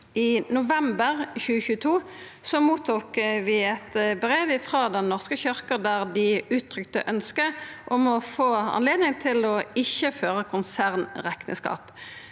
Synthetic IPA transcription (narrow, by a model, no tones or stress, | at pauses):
ɪnʊʋɛmbəʁçʉːəçʉːət̪ʰuː | sɔmuːt̪ʰuːkʋɪɛt̪bʁeːʋɪfʁɑd̪ɛnːɔʁskəçʏʁkəd̪æʁd̪ɪʉːt̪ʰːʁʏkt̪ə̰ʔœnskəʔɔmɔfoːɑ̰nleːd̪nɪŋt̪ʰɪlɔɪçːəføːʁəkʰʊnsæʁnʁɛknə̰skɑ̰ːp